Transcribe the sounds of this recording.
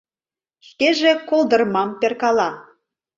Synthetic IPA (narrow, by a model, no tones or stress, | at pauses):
ʃkeʒekolˠd̪ɤ̆rmɑmperkɑlɑ